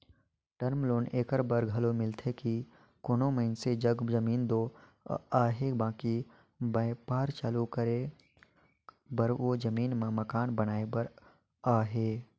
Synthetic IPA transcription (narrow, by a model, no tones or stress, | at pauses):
ʈəɾmloːneːkəɾbəɾɡʱɐlomɪlt̪ʰeki | konõːməɪnsed͡ʒəɡd͡ʒəmiːnd̪oː | aːɦeːbãːki | bəpaːɾt͡ʃaːlukəɾe | bəɾoːd͡ʒəmiːnmẽmɐkaːnbənaːebəɾ | aːɦeː